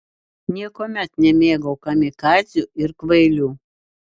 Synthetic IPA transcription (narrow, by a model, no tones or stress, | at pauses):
nʲiɛkoːmʲɛt̪nʲɛmʲeːɡɐʊkɐmʲɪkɑːzʲjuːɪɾkʋɐɪlʲuː